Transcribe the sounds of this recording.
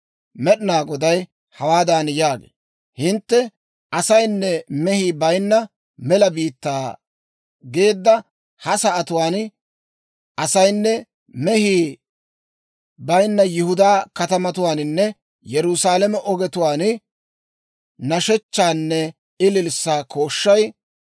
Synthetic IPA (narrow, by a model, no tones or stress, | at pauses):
mɛɗɪnaːɡɔd̪ɐj | hɐwaːd̪anjaːɡḛː | hɪnt̪ːɛ | ʔɐsɐjnːɛmɛhiːbɐjnːɐ | mɛlɐbiːt̪ːaː | ɡe̞ːd̪ːɐ | hɐsɐɐt̪ʊwaːn | ʔɐsɐjnːɛ | mɛhiː | bɐjnːɐjɪhʊd̪aːkɐt̪ɐmɐt̪ʊwaːnɪnːɛ | jɛɾʊsaːlɛmɛʔɔɡɛt̪ʊwaːn | nɐʃɛt͡ʃːaːnːɛ | ɪlɪlsːaːkʰo̞ːʃːɐj